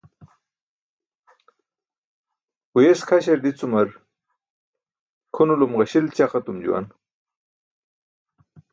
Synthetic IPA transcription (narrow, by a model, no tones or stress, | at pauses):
ujeskʰɐɕɐɾd̪it͡sumɐɾ | kʰunulumʁɐɕilt͡ɕaχɐt̪umd͡ʑṵwa̰n